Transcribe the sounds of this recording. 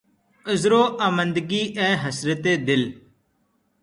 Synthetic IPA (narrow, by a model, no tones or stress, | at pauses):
əzɾoːʔaːmə̃nd̪ɡiːʔɛːɦəsɾət̪eːd̪ɪl